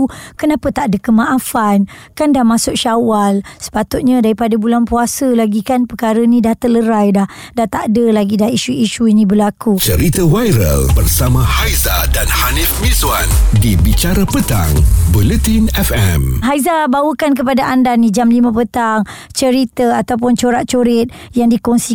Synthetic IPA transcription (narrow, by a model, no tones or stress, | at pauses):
kənapat̪aʔdəkəmãʔafankandahmãsʊʔ̚ʃawalsə̥pat̪ʊt̪̚ɲadaɾipadabulanpuasəlaɡikanpəkaɾənĩdaht̪ələɾajdah | daht̪aʔdəlaɡidaiʃuiʃuinibəlakut͡ʃəɾit̪əwajɾə̰lbərsamãhajzadanhanifmizwandibit͡ʃaɾapət̪a̰ŋbulət̪inɛfɛmɦajzabawəkank̬əpadaʔandanid͡ʒamlimãpət̪aŋ | t͡ʃəɾit̪əat̪awp̬ʊnt͡ʃoɾaʔ̚t͡ʃoɾɪt̪̚jaŋdikɔŋsi